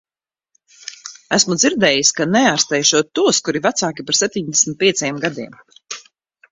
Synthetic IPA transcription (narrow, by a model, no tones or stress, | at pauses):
æsmud̪ziɾd̪ɛːjiskanɛaːɾst̪ɛjʃuɔt̪ːuɔskuɾivat̪saːkʲipaɾsɛp̚ʲt̪ʲiɲd̪ɛsʲmʲit̪̚pʲiɛt̪sɛjɛmɡad̪iɛm